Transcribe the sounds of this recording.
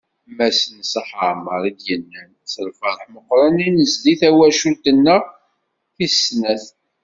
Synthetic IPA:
mæsənsəħəʕməɾˤid̪jənːæn | səlfəɾˤəħməqːɾˤɑninəzd̪iθæwæʃult̪ənːəʁ | θisnæθ

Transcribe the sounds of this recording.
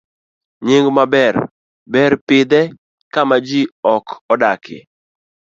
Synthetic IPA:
ɲɪŋɡmabɛr | bɛɾpɪd̪ɛ | kamad͡ʒiɔkɔdakʰɪ̰

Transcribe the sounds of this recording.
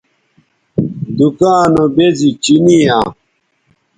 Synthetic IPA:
d̪ukaːnobezit͡ɕiniaː

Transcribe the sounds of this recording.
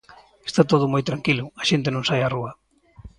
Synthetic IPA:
e̥st̪at̪oðʊmojt̪ɾaŋkilʊɐʃent̪enõŋsajaruɐ

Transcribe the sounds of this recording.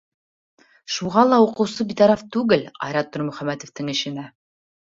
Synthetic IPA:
ʃuʁɑlˠɑuqɤ̆wsɤbit̪ɑɾɑft̪ʉɡɘlɑ̰jɾɑt̪̚ːoɾmɵ̆χæmæt̪ŏft̪ɘŋɘ̆ʃɘ̆næ

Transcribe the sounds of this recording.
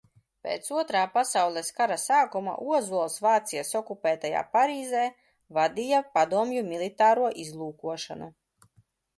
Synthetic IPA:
pʲḛːt̪suɔt̪ɾaːpasawlˠɛskaɾasaːkuma̰ʔuɔzuɔlˠsvaːt̪sijasɔkupɛːt̪aja̰ːpaɾiːzɛː | vad̪ijapad̪uɔmjumilˠit̪aːɾuɔʔizlˠuːkuɔʃa̰nu

